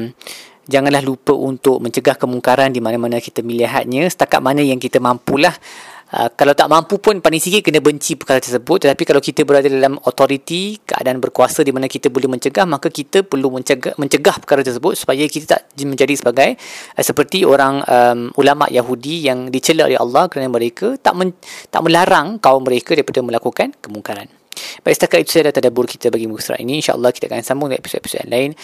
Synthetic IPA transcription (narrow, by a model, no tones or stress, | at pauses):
m | d͡ʒaŋãnlahlupəʔunt̪ʊk̚mə̃ɲt͡ʃəɡahkəmuŋkaɾandimanamanakit̪əmiliɦat̪̚ɲə̃sə̥t̪aka̰t̪̚manə̃jaŋkit̪əmampulahʔə̰kalawt̪aʔmãmpupʊnpalɪŋsikɪt̪ʔ̚kənəbəɲt͡ʃipərkaɾat̪ərsəbʊt̪̚ːət̪apikalawkit̪əbəɾadadalamot̪oɾit̪ikəʔa̰daanbərkuasadimanakit̪əbolɛhmə̃ɲt͡ʃəɡahmakakit̪əpərluməɲəɡmə̃ɲt͡ʃəɡahpəkaɾat̪ərsəbʊt̪̚su̥pajakit̪at̪a̰ʔmə̃ɲd͡ʒadisəbaɡajsəpərt̪ioɾaŋəmulama̰ʔjaɦudijaŋdit͡ʃələʔo̰leɦɑ̰lːɑhkəɾanəməɾekət̪a̰ʔmə̃t̪a̰ʔmə̃laɾaŋkaumːə̃ɾekadaɾipadəmə̃lakukankəmuŋkaɾan | b̥aiʔsət̪akat̪it̪u̥səalat̪adabʊrkit̪əbaɡimusɾa̰ʔḭnĩːnʃa̰ʔə̰lˠːɑhkit̪akaaŋsambʊŋepi̥sot̪epi̥so̰da̰nlaɪn